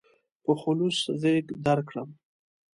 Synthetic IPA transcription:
pəxʊluszeɡd̪aɾkɽəm

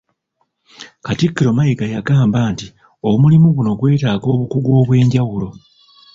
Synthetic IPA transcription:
katikːiɾo̞majiɡajaɡaːmbaːnti | o̞mulimuɡuno̞ɡwe̞ːtaːɡo̞ːβukuɡwo̞ːβwe̞ːɲɟawulo̞

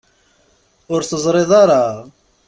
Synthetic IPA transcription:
ʊɾθəzˤɾeðˤɑɾˤɑ

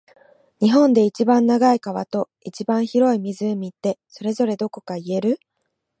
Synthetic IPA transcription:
ɲ̟iɦõ̞nd̪e̞it͡ɕibãnːaɡaikaβ̞a̰t̪o̞ | it͡ɕibãɰ̃çiɾo̞imʲizɨmʲit̪ːe̞so̞ɾe̞zo̞ɾe̞d̪o̞ko̞kaie̞ɾɯ̟

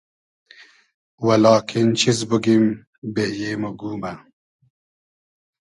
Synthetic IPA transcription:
wɐlɑːkʰint͡ɕʰizbuɡim | bejeːmoɡuːmɐ

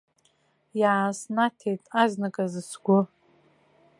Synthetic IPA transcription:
jʕasnatʰejtʼaznɨkʼazɨsɡʷʊ

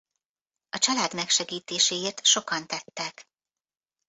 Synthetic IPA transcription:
ɒt͡ʃɒlaːd̪mɛkʃɛɡiːt̪eːʃeːeːrt̪ʃo̞kɒnt̪ɛt̪ːɛk

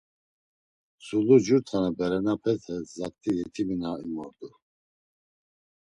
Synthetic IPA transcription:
sulud͡ʒuɾt̪ʰanabɛɾɛnapʰɛt̪hɛzak̚t̪ʰʼijɛt̪ʰiminaimɔɾd̪u

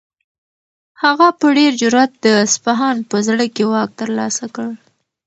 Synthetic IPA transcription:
haɣapəɖeɾd͡ʒʊɾat̪̚d̪əspaɦɑnpəzɽəkewɑk̚t̪əɾlɑ̰sakəɽ

